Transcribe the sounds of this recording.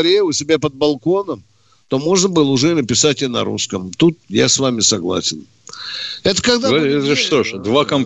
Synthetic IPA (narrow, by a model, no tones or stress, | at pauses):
ɾʲejʊsʲɪbʲapəd̪̚bɐlˠko̞nəm | t̪o̞mo̞ʐnəbɨlˠəʊʐɛɪnəpʲɪsatʲɪnɐ̰ɾṵskəmt̪ut̪jasvamʲɪsɐɡlˠa̰sʲɪn | ɛt̪ə̥kɐɡd̪aɛt̪əʂt̪oʂd̪vakɐm